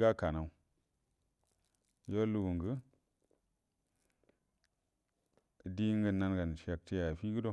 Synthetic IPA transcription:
ɡa˦ka˨na˨u˦ | jo˦lu˦˨ɡu˨ŋɡə˦˨ | di˦ŋɡə˦na˦nɡa˨n˨ʃe˨k̚ti˦ja˨fi˦ɡɨ˦do˦

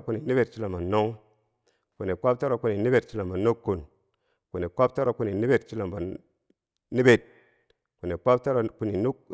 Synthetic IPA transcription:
ku˦ni˨ni˦be˨t̚t͡ʃi˦la˨ma˨nːo˦ŋ | ku˨ne˨k͡pa˦p̚ta˦ɾa˨ku˦ni˨ni˦be˨t̚t͡ʃi˦la˨mba˨nːu˦kːu˨n | ku˨ne˨k͡pʷa˦p̚ta˦ɾa˨ku˦ni˨ni˦be˨tt͡ʃi˦la˨mba˨ | ni˦be˨t̚ | ku˨ne˨k͡pa˦p̚ta˦ɾa˨ku˦ni˨nu˦k

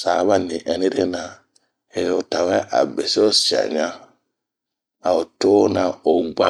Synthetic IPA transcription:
sa˨βa˦ni˨ʔɛ˨ni˦ɾe˦na˨ | e˨jo˨ta˨wɛ˦ʔa̰˨be˨so˦sa̰˨ɲa˦ | a˨o˨to˦na˨o˨ɡ͡ba˦

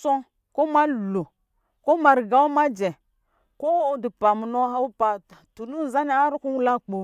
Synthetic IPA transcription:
so˦ | ko˦ma˦˨lo˨ | ko˦ma˨ɾɡa˦u˦ma˦d͡ʒe˨ | ko˦di˨pa˨mu˨no˦ɦa˦u˦pa˨tu˨nu˦˨za˦ni˦a˦ɾu˦ku˦wu˦la˦k͡po˨

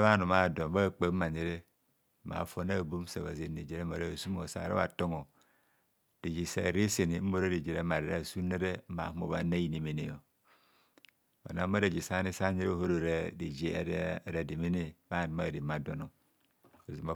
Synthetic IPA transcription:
ba˦˨nu˨ma˦˨do˨mba˦˨k͡pe˨˦ma˨ɲe˨ɾe˦ | ma̰˨fo˦na˦˨bu˦m˦sa̰˨βa̰˨ze˨˦ne˨d͡ʒe˨ɾe˦ma˨ɾa˦˨su˦mo˨sa̰˨ɾa̰˦βa̰˨to˦ŋo˨ | d̥i˨d͡ʒi˨sa˨ɾe˦se˨ni˨˦m̩˦mo˦˨ɾe˦di˨d͡ʒe˨ɾe˦ma˨ɾe˨ɾa˦˨su˦ne˦ɾe˦a̰˨˦mo̰˨βa̰˦na˦ji˨ne˨me˨ne˨o˨ | ba̰˨na˦mː˦a˦ɾe˨d͡ʒi˨sa˦ni˦sa˦ɲe˦ɾe˦˨ho˦ɾo˦˨ɾe˦di˨d͡ʒḛ˦˨˦ɾa˨di˨me˦ne˦ba˦˨ma˦˨di˨ma˨do˨no˨ | a˨zi˨ma˨

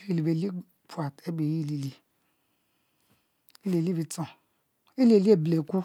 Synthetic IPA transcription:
i˦˨li˨be˨li˦ | pʰu˨˦a˨te˦be˨ji˦˨li˨li˨ | e˦le˨li˦bi˨t͡sõ˨ | e˦li˦e˨li˦e˦˨ble˨ku˦

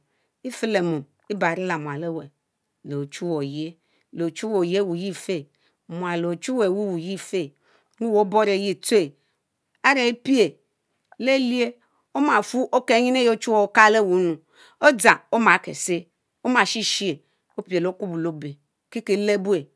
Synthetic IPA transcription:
i˦fi˦le˨mo˨m | i˦ba˨ɾi˦la˨mu˨a˨le˦we˨ | lo˨t͡ʃu˦wo˨je˦ | lo˨t͡ʃu˦wo˨je˦wu˨ji˦˨fe˦˨ | mʷ˨a˨lo˨t͡ʃu˦we˨wu˦wu˨ji˦˨fe˦ | wu˦wo˦bo˦ɾe˨ji˦˨t͡su˦e˨ | a˦ɾe˨i˦pi˦e˨ | le˦li˦e˦ | o˦ma˨fu˦ʔo˦ke˦ɲi˦n˦e˦jo˦t͡ʃu˦wo˦˨˦ka˦le˦˨wu˨˦nu˨ | o˦d͡za˨o˦ma˨˦kḛ˨se˦ | o˦ma˨ʃi˦ʃi˦e˨ | o˦pi˨e˨lo˦ku˦bu˨lo˦be˨ | ki˦ke˨˦le˦bu˦e˨

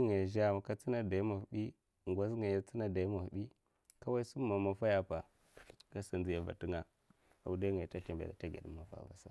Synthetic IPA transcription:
ŋa˨jʒa˦˨ma˨ka˦t͡si˦na˦da˨i˦ma˨fɓi˦˨ | ŋɡʷa˦sŋa˨ja˦t͡si˦na˨da˨˦ma˨fɗi˦ | ka˦wa˦i˦su˦a˨ma˨fa˦ja˨pa˨ | ka˦sa˨nzi˦ja˨va̰˨ti˦ŋa˦˨ | a˨u˨da˦ŋa˨ta˦te˨mbḛ˨da˨ta˦ɡa̰˨ɗə̰˦mːa˨fa̰˨va̰˨sa̰˦

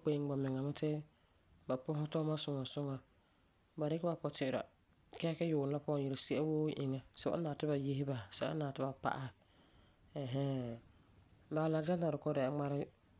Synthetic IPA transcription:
k͡pe˨˦ɡ͡ba˨mɪ˨ŋa˨mɪ˦tɪ˦ | ba˨pʊ˦ɦʊ˦tɔ˦ma˦sʊ˨ŋa˨sʊ˦ŋa˨ | ba˨ɾɪ˦kɪ˦ba˨pɔ˨tɪ˨ʔɪ˨ɾa̰˨ | kɛ˦kɛ˦jʊː˨˦la˦pɔ˦˨ji˨ɾsi˦ʔɛ˦woː˦ʔɪ̰˨ŋa˨sɛ˦ba̰˦naː˨tɪ˦ba˨je˦hɪ˦ba˨sɛ˨ba̰˦naː˨tɪ˦ba˨pa̰˦˨ʔa˦˨ | ɛ˨ɦɛ˦ | ba˨la˨d͡ʒa˦na˨ɾɪ˨kɔ˦dɛ˨a˨ŋ͡ma˦ɾɪ˦

